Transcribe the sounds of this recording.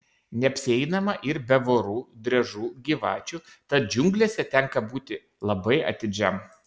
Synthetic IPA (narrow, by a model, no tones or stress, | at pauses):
nʲɛɐpʲsʲɪɛɪnɐmɐʔɪɾbʲɛʋoːɾuːd̪ʲɾʲɛʒuːɡʲiːʋɑ̰ːt͡ʃʲu | t̪ɐt̪̚d͡ʒʲʊŋɡlʲesʲɛt̪ʲɛŋkɐbuːt̪ʲɪ | lˠɐbɐɪɐ̰t̪ʲɪd͡ʒʲɛm